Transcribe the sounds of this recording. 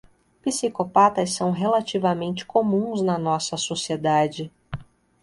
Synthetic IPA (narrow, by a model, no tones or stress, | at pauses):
pisikopat̪ɐssːɐ̃w̃ɦelat͡ʃivɐmẽnt͡ʃɪ̥komũznɐnɔsɐsosied̪ad͡ʒɪ